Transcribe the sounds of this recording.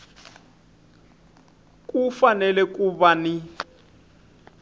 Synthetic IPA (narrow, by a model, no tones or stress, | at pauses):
k̬ʼufanɛlɛkuβani